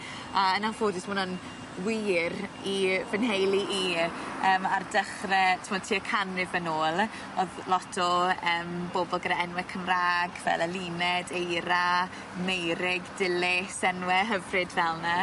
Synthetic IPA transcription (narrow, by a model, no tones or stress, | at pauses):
aənavoːdɪsmʊnɔn | wiːrivənɦejlˠiʔiəːmardəχrɛtʰɪmɔːd̥̚tʰiːəkʰanrɪvənoːlˠ | ɔðlɔtʰɔəːmboːbɔlˠɡədaɛnwɛkʰəmraːɡvɛ̰ləlˠiːnɛdejɾa | mejɾɪɡdɪlɪsɛnwɛɦəvrɪdvɛlˠna